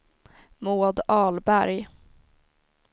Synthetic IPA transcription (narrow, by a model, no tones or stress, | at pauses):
moːd̪ɑːlbæɾj